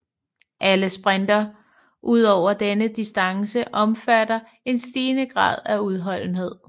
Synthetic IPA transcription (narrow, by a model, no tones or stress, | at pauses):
ʔæləsb̥ʁɛnd̥ɐ | ʔuð̞̰ˠɒʊ̰ɐd̥enəd̥isd̥ɑ̈ŋsəʔɒ̽mfæɾɐ | e̝nsd̥iːnəɡ̥ʁɑ̰̈ːð̞̰ˠæuð̞ˠɦɒ̽l̰n̩he̝ð̞̰ˠ